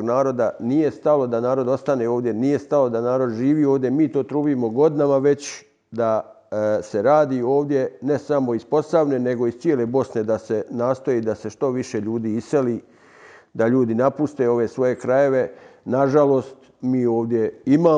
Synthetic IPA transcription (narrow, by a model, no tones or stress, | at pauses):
ɡnaːɾo̞d̪anije̞st̪alo̞d̪anaːɾo̞d̪o̞st̪aneoːʋd̪je̞nijest̪alo̞d̪anaːɾo̞d̪ʒiːʋiːo̞ːʋd̪jemiːt̪o̞ːt̪ɾuːʋimo̞ɡo̞d̪inamaʋe̞t͡ɕ | d̪a | se̞ɾaːd̪iːo̞ːʋd̪je̞ne̞samo̞ispo̞saʋne̞ne̞ɡo̞ist̪sjele̞bo̞sne̞d̪ase̞naːst̪o̞jiːd̪ase̞ʃt̪o̞ʋiʃe̞ʎuːd̪iːise̞li | d̪aʎuːd̪inapust̪e̞o̞ʋe̞sʋo̞je̞kɾaje̞ʋe̞naʒalo̞ːst̪ | miːo̞ːʋd̪je̞imaː